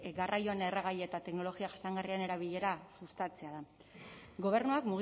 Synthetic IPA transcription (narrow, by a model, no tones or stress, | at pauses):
ɡarʔajoeneraɣ̞ajeet̪at̪e̞kno̞lo̞ɣiaxasaŋɡariane̞ɾaβiʎe̞ɾasust̪at͡se̞aða | ɡo̞β̞e̞ɾnuakmuɣ